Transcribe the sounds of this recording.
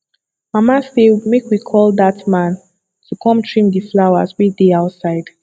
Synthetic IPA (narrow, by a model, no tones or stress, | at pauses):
mamasemekwikʰɔlˠdatmãn | tʰukʰɔ̃mtʰɹĩmdiflawazwideaʊtsaɪd̥